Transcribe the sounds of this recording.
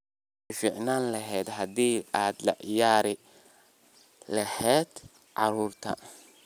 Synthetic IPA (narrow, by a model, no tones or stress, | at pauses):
fiːʕnaːnlɐɦɛːd̪ɦɐd̪iːaːd̪lɐ̰ʕɪjaːɾɪ | lɐhɛːd̪̥ | ʕɑɾuːrt̪ʰɐ̰